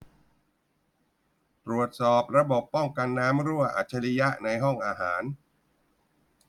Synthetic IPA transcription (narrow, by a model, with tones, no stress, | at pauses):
t̪ɾu˨˩ət̪̚sɔː˨˩p̚ɾa˧bo˨˩pːɔ˥˩ŋka˧nːaː˦˥mɾu˥˩əʔa̰˨˩t̪̚t͡ɕʰa˧li˦˧ja˦˥ʔna˧jɦɔ˥˩ŋʔaː˧ɦaː˩˦n